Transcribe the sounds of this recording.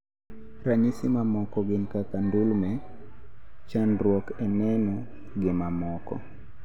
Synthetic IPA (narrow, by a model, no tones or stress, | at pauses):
ɾaɲisɪmamɔkɔɡɪnkakandulmɛ | t͡ʃanrwɔkɛnɛnɔ | ɡɪmamɔkɔ̰